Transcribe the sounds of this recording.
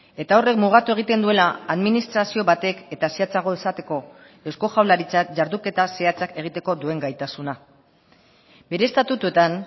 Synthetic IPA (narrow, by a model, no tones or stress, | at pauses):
e̞t̪ao̞re̞kmuɣ̞at̪ue̞ɣ̞it̪e̞nd̪ue̞laːðminist̪ɾasio̞βat̪e̞ke̞t̪aseat͡saɣ̞o̞ðesat̪e̞ko̞ | e̞wsko̞ʝawlaɾit͡saʝaɾðuke̞t̪ase̞at͡sake̞ɣ̞it̪e̞ko̞d̪ue̞ŋɡajt̪asuna | be̞ɾe̞ːst̪at̪ut̪ue̞t̪an